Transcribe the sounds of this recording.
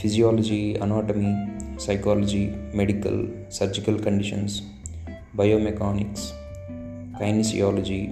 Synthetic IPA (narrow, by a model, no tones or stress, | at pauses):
pʰid͡ʒijaːlɔd͡ʒiːɐ̰naːʈɐmisɐjkaːlɐd͡ʒiːmeɽikɐ̰l | sɐɾd͡ʒikɐlkɐɳɖiʃɐns | bɐjoːmɛkaːniks | kɐjnisḭjaːlɐd͡ʒiː